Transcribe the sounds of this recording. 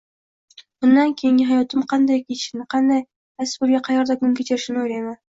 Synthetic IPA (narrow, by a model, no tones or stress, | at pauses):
b̥ʊnd̪ankʲʰejɪŋʲɪɦajɒt̪ɪmqʰɑnd̪ajkʲʰeʃɪnɪqʰɑnd̪ɑj | asɪ̥zbolˠɡʲaqʰɑjɑɾd̪akʊŋkʲet͡ʃʰeɾɪʃɪnojɾajma